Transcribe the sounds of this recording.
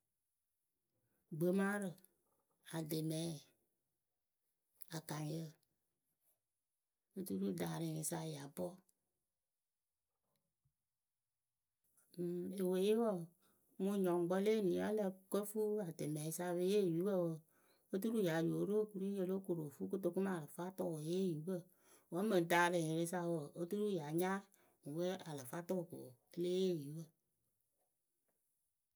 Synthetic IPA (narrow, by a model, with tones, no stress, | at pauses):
ɡ͡bə˨˦mã˦ɾə˨ | a˨de˨mɛ˨˦˨ | a˨ka˨ŋ˨jə˦ | o˦tu˦ɾu˦da˨ɾe˨ŋe˨sa˧˨ja˨bɔ˦˨ | e˨we˨je˦wɔ˦˨ | mu˧˦ɲɔ˨ŋ˨ɡ͡bɔ˦le˦˨nĩ˨˦a˦lə˧kə˦fu˦a˨te˨mɛ˨i˦sa˧βe˧˦je˦˨ju˨˦bə˦wə˨ | o˦t̬u˦ɾu˦ja˨˦jo˨˦ɾo˦˨ku˨˧ɾi˦je˧lo˦ko˨ɾo˨fu˦ko˦to˧ku˦ma˦˨lə˨fa˦tɔ˦˨wje˦˨ju˨˦bə˦˨ | wɔ˨˦mə˨n˨taː˨˦lə˨je˨ɾe˦sa˧˦wə˨o˦tu˦ɾu˦ja˨ɲa˦˨ | wə˦a˨lə˨fa˦tɔ˦˨ko̰˨ə˦le˦e˦˨ju˨˦bə˦˨